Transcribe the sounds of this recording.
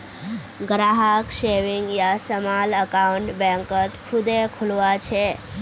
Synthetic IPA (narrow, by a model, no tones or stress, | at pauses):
ɡɾaɦəkʃeʋiŋɡjasəmaləkauɳʈbɛ̃ŋkət̪kʰud̪ekʰulʋat͡ʃʰe